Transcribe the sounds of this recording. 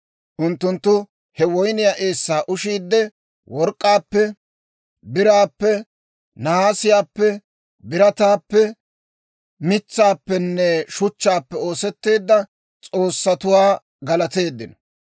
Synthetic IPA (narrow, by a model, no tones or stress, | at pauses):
ʔʊnt̪ːʊnt̪ːʊ | hɛwɔjnɪjaʔe̞ːsːaːʔʊʃiːd̪ːɛ | wɔɾkʼːaːpːɛ | bɪɾaːpːɛ | nɐhaːsɪjaːpːɛ | bɪɾɐt̪aːpːɛ | mɪt͡sːaːpːɛnːɛʃʊt͡ʃːaːpːɛo̞ːsɛt̪ːe̞ːd̪ːɐ | t͡sʼo̞ːsːɐt̪ʊwaː | ɡɐlɐt̪e̞ːd̪ːɪnɐ